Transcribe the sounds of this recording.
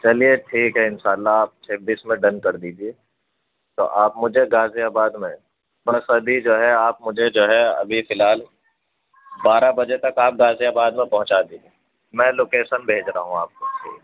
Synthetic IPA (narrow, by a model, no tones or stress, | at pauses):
t͡ʃɐlieʈʰiːkɦɛɪnʃaːlːaːp̚t͡ʃʰeːbiːsmẽɖɐ̃nkɐɾd̪iːd͡ʒieː | t̪o̰ʔaːpmʊd͡ʒʱeɡaːziaːbaːd̪mẽ | bɐsɐb̪ʱid͡ʒoːɦɛaːp̚mʊd͡ʒʱed͡ʒoːɦɛɐ̰bʱifɪlɦaːl | baːɾabɐd͡ʒet̪ɐkaːp̚ɡaːzijaːbaːd̪mẽpɐɦʊ̃t͡ʃad̪iːd͡ʒe | mɛ̃ːloːkeːʃənbʱeːd͡ʒɾaɦũaːp̚koʈʰḭː